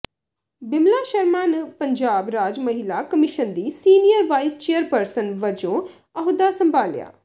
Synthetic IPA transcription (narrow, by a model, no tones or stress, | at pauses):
bɪmlaːʃəɾmaːnpəɲd͡ʒaːbɾaːd͡ʒməɦɪlaːkəmɪʃənd̪iːsiːnijəɾʋaːist͡ʃeːəɾpəɾsənʋəd͡ʒõː | əɦʊd̪aːsəmbʱaːlja̰ː